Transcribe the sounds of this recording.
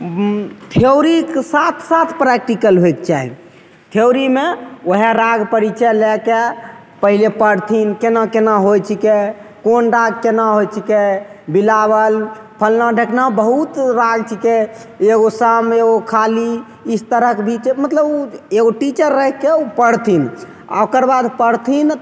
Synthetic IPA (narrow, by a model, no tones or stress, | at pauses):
t̪ʰiowɾikesat̪ʰsat̪ʰpɾɛk̚ʈikəlɦoekt͡ʃa̰ɦḭ | t̪ʰeɾimeoɦeɾaɡpəɾit͡ʃʰəleke | pəɦilepəɽt̪ʰinkenakenaɦojt͡ʃʰikekonɾaɡkenaɦojt͡ʃʰikebilaβəl | pʰəlnaɖʱeknabəɦut̪ɾaɡt͡ʃʰike | eɡosameɡokʰali | ist̪əɾəkebʱit͡ʃmət̪ləbeɡoʈit͡ʃəɾːəɦɛkːeupəɽt̪ʰin | a̰okəɾbad̪ʱpəɽt̪ʰin